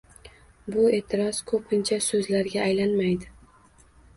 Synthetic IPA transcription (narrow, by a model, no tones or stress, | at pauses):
bʊe̞ːt̪ʰɪɾɒzkʰɵpʰɪnt͡ʃʰasɵzlaɾɡʲaːjlanmajd̪ɪ